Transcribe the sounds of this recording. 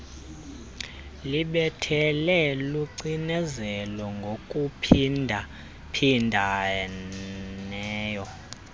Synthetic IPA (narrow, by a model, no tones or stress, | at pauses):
liɓɛtʰɛlɛluǀinɛzɛlɔŋɡʱokʼupʰindʱa | pʰindʱa | ɛːjɔ